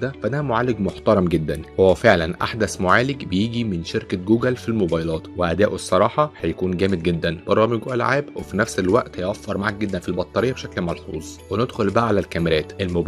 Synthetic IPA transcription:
d̪æfæd̪æmoʕaːleɡmoħt̪ɑɾˤɑmɡed̪ːænhowːæfeʕlænʔa̰ħd̪æsmoʕaːleɡbejiːɡimenʃeɾkæɡuːɡælfilmobɑjlɑːt̪weʔæd̪æːʔoesˤːɑɾˤɑːħɑhæjækuːnɡæːmed̪̚ɡed̪ːænb̥ɑɾˤːɑmeɡʔælʕaːbwefinæfselwæʔt̪hæjʔæfːɑɾˤmaʕak̚ɡed̪ːænfilbɑt̪ˤːɑɾejːɑbeʃæklmɑlħṵːzˤwened̪xolbæʔʕalælkæmeɾæːt̪ʔelmob

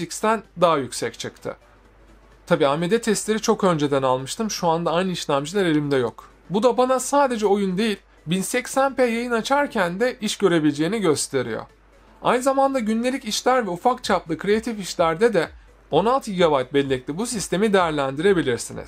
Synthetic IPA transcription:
icst̪ʰænd̪aɦajycʲsɛc̚t͡ʃʰɯkt̪ʰɯ̰ | t̪ʰabiːamed̪ɛt̪ʰɛst̪lʲe̞ɾit͡ʃʰo̞kø̞nd͡ʒe̞d̪ænalˠmɯʃt̪ʰɯmʃuand̪aːjnɯiʃlʲæmd͡ʒɯlˠaɾe̞lʲimd̪ɛjo̞k | bud̪abanasaːd̪e̞d͡ʒɛo̞jund̪e̞jilʲ | binsɛcsænpejajɯnat͡ʃʰaɾcʰænd̪ɛʔiʃɟø̞ɾe̞bilʲd͡ʒe̞ːiniɟø̞st̪ʰe̞ɾijo̰ | a̰jnɯzamand̪aɟynlʲe̞lʲiciʃlʲæɾvɛufakt͡ʃʰaplˠɯkʰɾe̞at̪ʰifiʃlʲæɾd̪ɛd̪ɛ | o̞nalˠt̪ɯɟiɡabajt̪̚bɛlʲːɛc̚lʲibusist̪ʰe̞mid̪e̞jæɾlʲænd̪iɾe̞bilʲiɾsinḭz̥

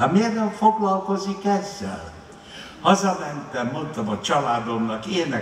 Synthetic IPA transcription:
ɒmerːɛlfoɡlɒlko̞zikɛzːɛ̰l | hɒzɒmɛnt̪ɛmːo̞nt̪omɒt͡ʃɒlaːd̪omnɒkeːnɛ

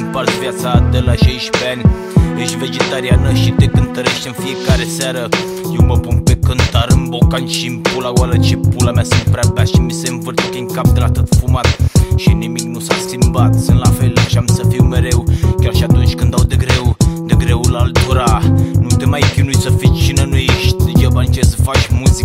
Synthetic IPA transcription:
mpart̪vjat̪sad̪elaʃejʃpeanʲ | jeʃt̪ʲve̞d͡ʒet̪aɾianəʃit̪ekɨnt̪əɾe̞ʃt̪ʲɨnfijekaɾesaɾə | jewməpunpekɨnt̪aɾɨmbokanʃimpulaɡwalət͡ʃepulamasɨnt̪̚pɾeabaʃimisemvərt̪ukeŋkap̚d̪əlat̪ɨt̪fumat̪ʃiniminnusaskʲimbat̪sɨnlafelʃiamsəfiwmeɾe̞wkʲarʃiat̪unt͡ʃʲkɨnd̪awd̪eɡɾewd̪eɡɾewulalt̪uɾanut̪emajfinujsəfit͡ʃinenujeʃt̪ʲd͡ʒabant͡ʃesəfat͡ʃmusi

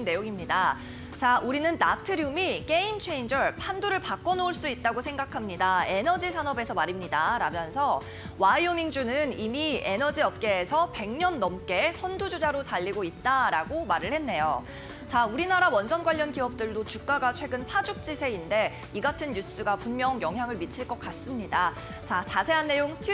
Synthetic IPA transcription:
nːe̞joŋimɲida | t͡ɕaʔuɾinɯnːatʰɯɾjumik͈e̞imt͡ɕʰe̞ind͡ʑʌɭpʰandoɾɯɭpak͈ʌnouɭs͈uit̚t͈aɡosʰeŋɡakʰamɲidae̞nʌd͡ʑisʰanʌbe̞sʰʌmaɾimɲidaɾamjʌnsʰʌ | waiomiŋd͡ʑunɯnimie̞nʌd͡ʑiʌp̚k͈e̞ːsʰʌpe̞ŋɲʌnːʌmk͈e̞sʰʌndud͡ʑud͡ʑaɾotaʎːiɡoit̚t͈aɾaɡomaɾɯɭhe̞nːe̞jo | t͡ɕauɾinaɾawʌnd͡ʑʌnɡwaʎːʌnkiʌp̚t͈ɯɭdot͡ɕuk̚k͈aɡat͡ɕʰwe̞ɡɯnpʰad͡ʑuk̚t͡ɕ͈isʰe̞inde̞ | iɡatʰɯnɲus͈ɯɡapunmjʌŋjʌŋɦjaŋɯɭmit͡ɕʰiɭk͈ʌk͈̚as͈ɯmɲida | t͡ɕat͡ɕasʰe̞ɦanːe̞joŋsʰtʰ

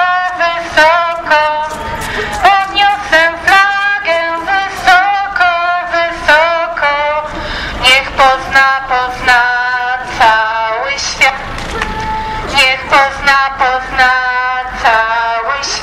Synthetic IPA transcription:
vɪsɔkɔ | ɔd̪ɲɔsɛflaɡɛvɪsɔkɔvɪsɔkʰɔ | ɲɛxpɔznapɔznat̪sawɘɕfʲjat̪ | ɲɛxpɔznapɔznat̪sawɘ

